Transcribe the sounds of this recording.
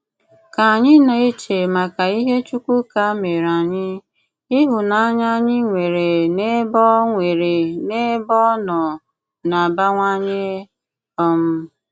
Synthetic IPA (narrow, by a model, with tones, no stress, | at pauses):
ka˨a˨ɲɪ˦na˨e˦t͡ʃe˨ma˨ka˨i˦ɦe˦t͡ʃu˦kʷu˦ka˦me˨ɾa˨ɲɪ˦ | ɪ˦ɦʊ˨na˨a˦ɲa˦ɲɪ˦ŋʷe˨ɾe˨ne˦bɔ˦ŋʷe˨ɾe˨ne˦bɔ˦nɔ˨ | na˨ba˦ŋʷa˦ɲe˦ | ɔ˦m̩˦